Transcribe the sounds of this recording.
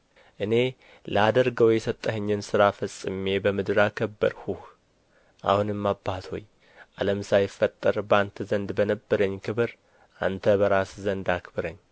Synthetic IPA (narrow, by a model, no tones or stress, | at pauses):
ʔɨne̞ | ləad̪əɾɡəwjɛsət̪ʼːəhəɲːɨnsɨɾafəsʼɨme̞bəmɨd̪ɨɾakʰəbːə̰ɾhuh | ʔa̰hunɨmːabːat̪ʰho̞̰j | ʔaləmsajɪfːət̪ʼːəɾbant̪ʰəzənd̪bənəbːəɾəɲːkʰɨβɨɾ | ʔa̰nt̪ʰəbəɾaszənd̪akɨbɨɾəɲː